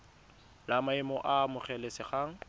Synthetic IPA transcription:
lamaɪmɔʔamʊχɛlɛsɪχaːŋ̩

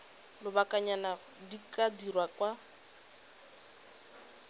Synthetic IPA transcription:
lʊbakʼaɲana | dikʼadirwakʼwa

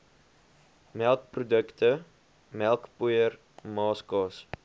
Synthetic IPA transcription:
mɛlˠkprudəktə | mɛlˠkpujər | mɑːskɑːs

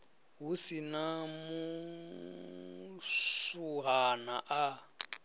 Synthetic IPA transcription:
ɦusinamu | suɦanaʔa

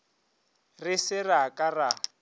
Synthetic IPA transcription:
rɪsɪraakʼara

